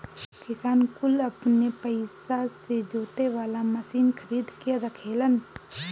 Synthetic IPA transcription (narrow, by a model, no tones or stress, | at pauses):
kɪsaːnkʊləpnepəɪsased͡ʒoːt̪eʋaːlaməsiːnxʰəɾiːd̪keɾəkʰeːlən